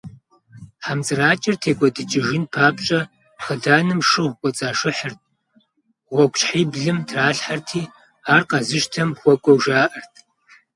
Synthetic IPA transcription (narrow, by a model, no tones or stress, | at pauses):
ħamt͡sʼɨraːt͡ʃʼɪrtʰeːkʷʼɔdɨt͡ʃʼɪʒɪnpʰaːpʼt͡ʃʼɐ | χədaːnɨmʂɨʁʷkʷʼɔt͡sʼaːʂɨħərt̚ʰʼ | ʁʷɔkʷʰʼɕħiːbɮɨmtʰraːɬħartʰiː | aːrqɑzɨʃtʰɐmχʷɔkʷʼɔwʒaːʔɐrtʰ